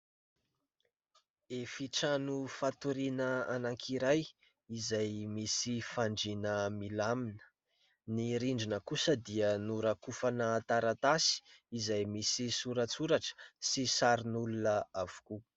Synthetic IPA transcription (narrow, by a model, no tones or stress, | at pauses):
efiʈ͡ʂanufat̪uɾinəanaŋkʰiɾaj | izajmisifaɳɖ͡ʐinəmilaminə̥ | niɾiɳɖ͡ʐinəkusəd̪iənuɾakufanəːt̪aɾat̪asi̥izajmisisuɾat͡suɾaʈ͡ʂə̥sisaɾinulunəav̥u̥ku